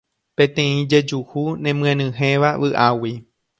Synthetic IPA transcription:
pẽt̪ẽĩd͡ʒed͡ʒuhunẽ̞mɨ̃ẽnɨ̃ɦẽʋaʋɨʔawi

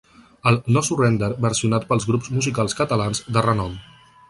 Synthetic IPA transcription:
əlˠnɔsurɛnd̪əɾbəɾsiunat̪̚pəlˠzɣɾupzmuzikalˠskət̪əlanzd̪ərənɔm

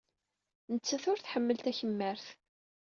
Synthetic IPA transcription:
nət͡sːæθʊɾθħəmːəlt̪æçəmːəɾθ

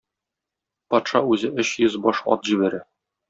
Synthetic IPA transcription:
pɒt̪ʃɑʉzɘʔɵɕjɵzbɒʃɒ̰t̪ʑibæɾæ

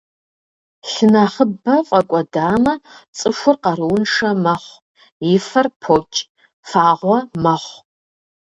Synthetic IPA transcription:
ɬɨnɐχəbɐfʼɐkʷʼɔdaːmɐt͡sʼɨʃʷʊrqɐɾɨwʊnʂɐmɐχʷ | jɪfɐrpʰot͡ʃʼ | faːʁʷɔmɐχʷ

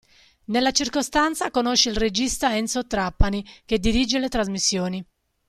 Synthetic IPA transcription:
nelːat͡ʃirkost̪ant̪sakonoʃːeilred͡ʒist̪aɛnsot̪ɾapːanik̟ed̪iɾid͡ʒelet̪ɾazmisːjoːni

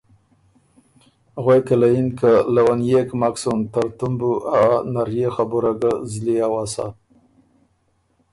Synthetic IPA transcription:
ɣwajkəlajinkəlawanjekmaksont̪aɾt̪umbuʔaanaɾjexabuɾaɡəzliawasa̰

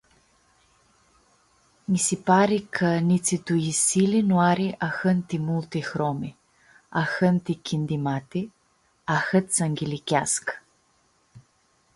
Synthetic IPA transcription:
misipaɾikʰənʲit̪sit̪uisilinuaɾiʔaxənt̪imulˠt̪ixɾɔmi | axənt̪ikʲʰind̪imat̪i | axət̪səŋɡʲilikʲask

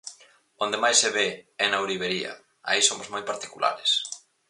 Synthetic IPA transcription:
õnd̪emajseβeɛnawɾiβeɾiɐ̰ | a̰isomozmojpaɾt̪i̥kula̰ɾɪs

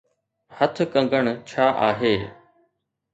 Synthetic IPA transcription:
hət̪ʰkə̃ŋɡʱəɽ̃t͡ɕʰaːʔaːɦeː

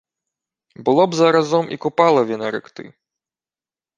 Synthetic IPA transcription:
bɨlˠɔbzɐɾazɔmʔḭkupalˠɐvʲɛnɐɾɨkt̪ɨ̰

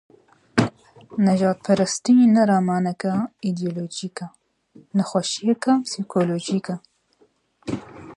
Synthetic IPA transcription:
nɐʒɑːd̪̚pʰɐɾɐst̪inɐɾɑːmɑːnɐkɐid̪ijoloːd͡ʒiːka | nɐxʷaʃijɛkɐpsikʰoloːd͡ʒiːkɐ

